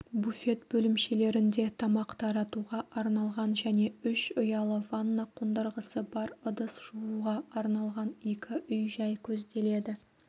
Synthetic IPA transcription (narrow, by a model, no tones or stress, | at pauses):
bufe̞t̪bɵlɪmʃe̞le̞ɾɪnd̪e̞t̪ʰɑmɑqt̪ʰɑɾɑt̪uʁɑʔɑɾnɑlˠʁɑnʒæne̞ʏʃʊjɑlˠəvanːɑqʰond̪əɾʁəsəbɑɾəd̪əsʒ̥uuʁɑɑɾnɑlˠʁɑne̞kʲɪʔʏjʒɑjkʲʰɵzd̪e̞le̞d̪ɪ